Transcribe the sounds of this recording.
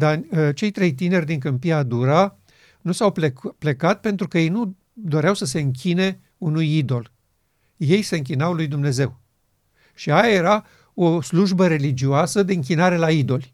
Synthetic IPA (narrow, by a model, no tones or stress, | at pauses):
d̪at͡ʃe̞jt̪ɾe̞jt̪ine̞rʲd̪iŋkɨmpiad̪uɾa | nusawpple̞kat̪̚pe̞nt̪ɾukəje̞jnu | d̪o̞ɾeawsəs̬e̞ɨŋk̬ʲine̞ | unujid̪o̞l | je̞jse̞ɨŋk̬ʲinawlujd̪umne̞ze̞w | ʃiajaje̞ɾa | osluʒbəɾe̞lid͡ʒioasəd̪e̞ɨŋkʲinaɾe̞laid̪o̞lʲ